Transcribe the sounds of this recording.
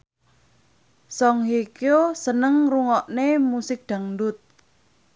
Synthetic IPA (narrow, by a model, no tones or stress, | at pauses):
sɔŋɦekjosənəŋruŋɔʔnemusɪk̚d̪̥a̤ŋdʊt̪̚